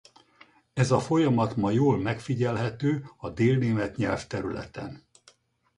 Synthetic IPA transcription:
ɛzɒfo̞jɒmɒt̪mɒjoːlmɛkfiɟɛlɦɛt̪øːɒd̪eːlneːmɛt̪ɲɛlft̪ɛɾylɛ̰t̪ɛ̰n

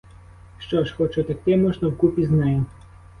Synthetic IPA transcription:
ʂt͡ʃɔʃxɔt͡ʃut̪akt̪ɛmɔʐnɐwkupʲiznajɛ

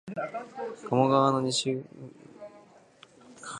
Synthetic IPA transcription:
kamoɡaβano̞ɲ̟iɕi

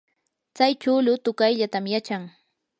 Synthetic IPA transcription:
t͡sajt͡ʃʊlʊt̪ʊkajʎat̪amjat͡ʃaŋ

